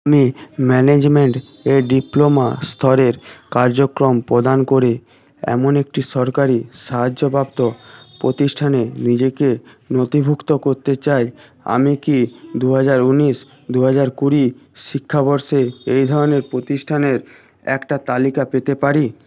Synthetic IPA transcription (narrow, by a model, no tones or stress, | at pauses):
amimɛned͡ʑmeɳʈ | eɖiplomast̪ʰɔɾeɾkaɾd͡ʑokɾompɾod̪ankoɾe | ɛ̰monek̚ʈiʃɔɾkaɾiʃaɦad͡ʑːobʱabt̪opɾot̪iʃʈʰanenid͡ʑeke | not̪ibʱukt̪okoɾt̪et͡ɕaj | a̰mikid̪uɦad͡ʑaɾuniʃ | d̪uɦad͡ʑaɾkuɾiʃikʰːabɔɾʃeejd̪ʱɔɾoneɾpɾot̪iʃʈʰaneɾ | ɛ̰kʈat̪alikapet̪epaɾi